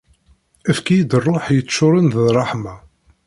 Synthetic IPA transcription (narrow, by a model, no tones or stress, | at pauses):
æfkijid̪ərˤːoħjət͡sːʃːʊɾˤənððrˤːɑħma